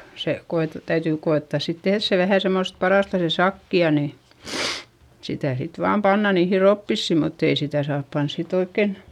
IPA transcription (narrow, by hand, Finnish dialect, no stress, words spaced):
se koete tæytyˑ koeˑtːɑˑs sit tehðs se ʋæhæˑ semːost pɑrɑˑstɑ se sɑkːiɑ ni sitæˑ sit ʋɑːm pɑnːɑ niːhi ropːisːiˑ mutː ei sitæˑ sɑːp pɑns sit oikːen